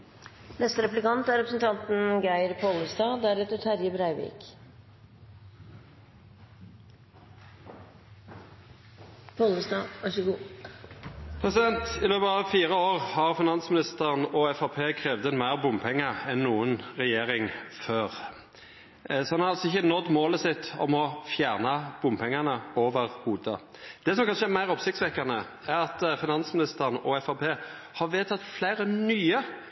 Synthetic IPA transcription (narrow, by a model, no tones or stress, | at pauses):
nɛst̪əɾɛplɪkɑnt̪æɾɛpɾəsən̩t̪ʰɑnt̪n̩ɡæɪɾpʰoːləst̪ɑːd̪æɾɛt̪əʈʰæɾjəbɾæɪʋḭk | pʰoːləsd̪ɑːɑʂəɡu | pʰʁɛsɪd̪ɛnt̪ɪløːbəɑʋfiːʁəoːʁhɑʁfɪnɑnsmɪnɪst̪əʁənɔɛfɑpʰeːkʰʁeːʋd̪ənmæɪʁbʊmpʰɛŋːəɛnːuːənʁɛjeːɾɪŋføːɾ | sɔhɑnhɑɾɑlsɔɪçːənɔd̪moːləsɪt̪ːɔ̰mɔfjæːʁnɑb̥ʊmpʰɛŋːɑnəoːʋəʁhuːd̪ə̰ | d̪̥ɛsɔmkʰɑnʂəæɾmæɪʁɔpsɪk̚t̪sʋɛkːɑnə | æɾɑt̪fɪnɑnsmɪnɪst̪əʁənɔɛfɑpʰeː | hɑɾʋeːt̪ʰɑt̪flæɪɾənyːə